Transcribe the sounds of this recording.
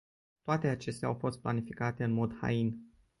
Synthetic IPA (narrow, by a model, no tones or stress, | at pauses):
t̪oat̪e̞at͡ʃe̞st̪ea̰wfo̞st̪̚pla̰nifikat̪e̞ɨnmo̞d̪ha̰in